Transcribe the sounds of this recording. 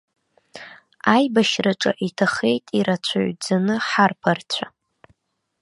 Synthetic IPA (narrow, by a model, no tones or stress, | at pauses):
ajbaʃrɨʈ͡ʂʼa̰ʔitʰaχejtʼiɾat͡ɕʷʰa̰ɥd͡zanɨħarpʰart͡ɕʷʰa